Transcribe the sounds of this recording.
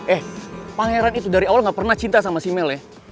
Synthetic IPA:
ʔɛhpaŋeɾanit̪udaɾiawalŋɡapərnaht͡ʃint̪asamasimɛlɛ

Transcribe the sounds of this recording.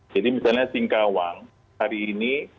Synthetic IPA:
d͡ʒadimisalɲasiŋkawaŋ | haɾiːni

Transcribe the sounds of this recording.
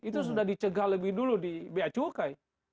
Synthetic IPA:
it̪us̬udahdit͡ʃəɡaləbɪhduludibeat͡ʃukai

